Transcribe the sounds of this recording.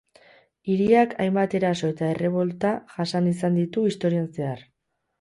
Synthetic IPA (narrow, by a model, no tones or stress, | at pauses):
iɾiakʰa̰jmbat̪e̞ɾaso̞e̞t̪ae̞re̞β̞o̞lt̪aʝasanisand̪it̪uist̪o̞ɾianse̞ar